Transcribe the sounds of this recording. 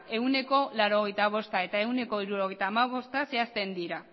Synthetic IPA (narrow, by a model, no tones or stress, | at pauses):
e̞wne̞ko̞laɾo̞ɣ̞ejt̪aβ̞o̞st̪ae̞t̪ae̞wne̞ko̞iɾuɾo̞ɣejt̪aːmaβ̞o̞st̪ase̞ast̪e̞nd̪iɾa